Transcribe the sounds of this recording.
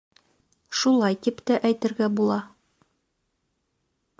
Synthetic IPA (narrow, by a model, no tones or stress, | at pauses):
ʃulˠɑjt̪ipt̪æʔæjt̪ɘ̆ɾɡæbulˠɑ